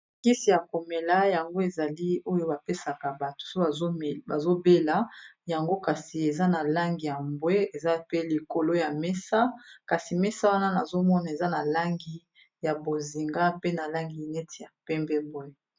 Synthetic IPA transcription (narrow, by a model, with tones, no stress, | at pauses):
ki˦si˨ja˨ko˨me˨la˦ja˨ŋɡo˦e˨za˨li˦o˦jo˦ba˨pe˦sa˨ka˨ba˨to̥˨so˦a˨˦˨ba˨zo˦be˦la˦ja˨ŋɡo˦ka˨si˨e˨za˦na˨la˦ŋɡi˨ja˨mbwe˦e˨za˦pe˦li˨ko˨lo˦ja˨mɛ˦sa˦ka˨si˨mɛ˦sa˦wa˦na˦na˨zo˦mɔ˦na˨e˨za˦na˨la˦ŋɡi˦ | ja˨bo˨zi˨ŋɡa˦pe˦na˨la˦ŋɡi˨nɛ˦ti˨ja˨pɛ˦mbɛ˦bo˦e˨